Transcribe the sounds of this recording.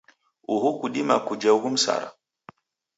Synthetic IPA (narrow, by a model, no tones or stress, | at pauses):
uɦukuɗima̰kud͡ʒauɡum̩sa̰ɾa̰